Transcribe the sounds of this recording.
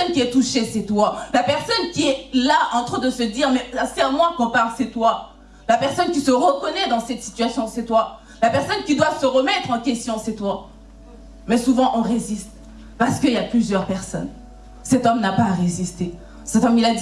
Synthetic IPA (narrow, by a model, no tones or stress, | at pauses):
ɔnkʲiɛt̪uʃesɛt̪walapɛʁsɔnkʲiɛlaʔɑ̃t̪χod̪əsəd̪iʁmɛsasɛʁmwɛ̃kɔ̃paʁlsɛt̪wa | lapɛʁsɔnkʲisəʁəkɔnɛd̪ɑ̃sɛt̪si̥t̪ɥasjɔ̃sɛt̪wa | lapɛʁsɔnkʲid̪wasəʁəmɛt̪χɑ̃kʲɛst̪jɔ̃sɛt̪wa | mɛsuvɑ̃ʔɔ̃ʁezist̪ | paʁsə̥kəiljaplyzjœʁpɛʁsɔ̰n | sɛt̪ɔmnapaʁezist̪e | sɛt̪ɔmilad̪